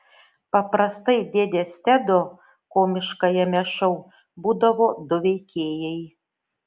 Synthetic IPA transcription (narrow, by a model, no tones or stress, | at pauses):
pɐpɾɐst̪ɐɪd̪ʲeːd̪ʲeːsʲt̪ʲæd̪o | koːmʲɪʃkɐjɛmʲɛʃɐʊ | buːd̪ɐʋoːd̪ʊʋʲɛɪkʲeːjɛɪ